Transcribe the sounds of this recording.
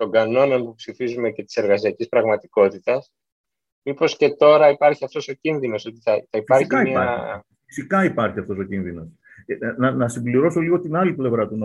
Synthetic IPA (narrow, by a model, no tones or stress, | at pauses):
t̪o̞ŋɡɐno̞no̞npupsifizume̞ce̞t̪i̥se̞ɾɣɐsiɐcispɾɐɣmɐt̪iko̞t̪it̪ɐs | mipo̞sce̞t̪o̞ɾɐipɐɾçiɐft̪o̞so̞cinðino̞sot̪iθɐθɐipfɐɾçiɐimɐɐ | isikɐipɐɾçiɐft̪o̞so̞cinðino̞s | nɐnɐsimbliɾo̞so̞liɣo̞t̪inɐliple̞vɾɐt̪uno